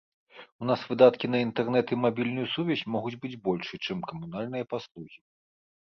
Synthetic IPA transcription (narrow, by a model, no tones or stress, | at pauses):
un̪asvɨd̪at̪kʲinɐint̪ɛrnɛt̪imabʲilʲnujusuvʲɛzʲmɔɣud͡zʲbɨd͡zʲbɔlʲʂɨt͡ʂɨmkɐmunalʲnɨjɐpaslˠuɣʲi